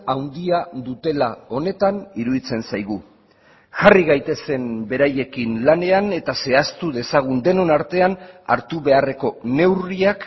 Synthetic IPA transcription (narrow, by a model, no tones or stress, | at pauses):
awnd̪iaðut̪e̞lao̞ne̞t̪aniɾuðit͡se̞nsajɣ̞u | ʝariɣajt̪e̞se̞mbe̞ɾaje̞kinlane̞ane̞t̪ase̞ast̪uðe̞saɣ̞und̪e̞no̞naɾt̪e̞ana̰ɾt̪uβe̞are̞ko̞ne̞wriak